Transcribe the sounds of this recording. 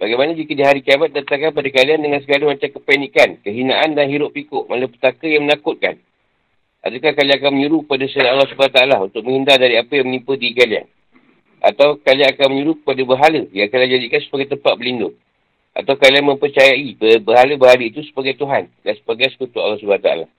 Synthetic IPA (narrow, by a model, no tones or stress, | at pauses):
baɡajmanad͡ʒikədiɦaɾikiabat̪̚dat̪aŋkanpadakaliandəŋans̬əɡaləmat͡ʃamkəpanikankəɦinaʔandanɦiɾʊʔpːikʊʔmaləpə̥t̪akəjaŋmənakʊt̪̚ka̰n | ʔa̰dukahkaliaŋak̬anməɲuɾukəpadasəaɾaalːahsubaaht̪aːlaunt̪ʊk̚mə̃ŋhindardaɾiapəjaŋmənipədikalia̰n | ʔa̰t̪awkaliaŋakanməɲuɾukəpadabəɦaləjaŋkalad͡ʒadikansə̥paɡajt̪əmpat̪̚bəlindʊŋ | ʔa̰t̪awkalianmə̃mpərt͡ʃajaibəbəɦaləbəɦaləit̪usə̥paɡajt̪uɦandansə̥baɡajsə̥kut̪ua̰lːahs̬ubaat̪a̰a̰la̰h